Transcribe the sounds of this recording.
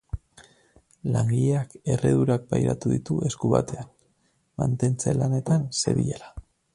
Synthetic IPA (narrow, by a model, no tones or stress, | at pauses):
laŋɡiʎeake̞re̞̰ðuɾak̚bajɾa̰t̪uðit̪uʔe̞skuβa̰t̪e̞an | ma̰nt̪e̞nt͡se̞lane̞t̪anse̞̰βḭʎela